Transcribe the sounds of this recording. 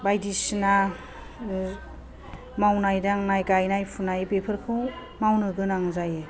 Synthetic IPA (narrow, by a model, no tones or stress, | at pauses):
bajdisna | mawnajdaŋnajkajnajpʰunajbepʰɯɾkʰɯw | mawnɯɡɯnaŋzaje